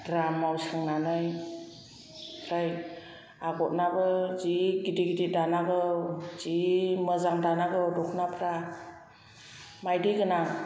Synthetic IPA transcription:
dɾamawsɯŋnanɯj | pʰɾaj | aɡɔt̚nabɯziɡidiɡididanaɡɯz̥iməzaŋdanaɡɯdɔkʰnapʰɾa | majdiɡɯna

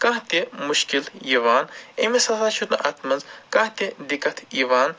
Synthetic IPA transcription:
kãːɦt̪imuʃkiljiʋaːnemisɐzʰaːt͡ʃʰut̪nɨʔɐt̪ʰmɐnzkãːɦt̪id̪ikːɐt̪ʰiʋaːn

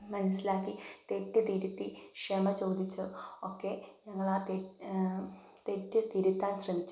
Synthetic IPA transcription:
mɐnɐsilaːkːit̪etːɨt̪iɾut̪ːikʂemɐt͡ɕo̞ːd̪it͡ɕːuokːe̞ɲɐŋːɐɭaːt̪e | t̪etːɨt̪iɾut̪ːaːnɕrɐmit͡ɕːu

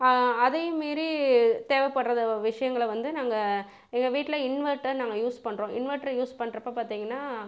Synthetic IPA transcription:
ɐðɐjmeːɾit̪eːʋɛpɐɽɾɐðɐʋɪʂɐjɐŋɡɐɭʋɐnd̪ɯnaːŋɡɐ | ɛŋɡɐʋiːʈːɪlɐɪnʋɐɾʈɐɾnaːŋɡɐjuːspɐɳːɾõːʔɪnʋɐɾʈɐɾjuːspɐɳɾɐpːɐpaːɾt̪iːŋɡɐnːaː

